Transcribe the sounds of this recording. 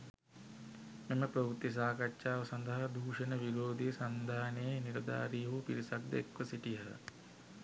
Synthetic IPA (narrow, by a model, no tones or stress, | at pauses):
meməpɾɐʋut̪ːis̬aːkatʃaːʋɐsand̪əɦɐd̪ʱuːʂənəʋiɾoːd̪isand̪ʱaːnejeniɾɐd̪a̰ːɾiɦupiɾisak̚d̪eekʋəsiʈijə̰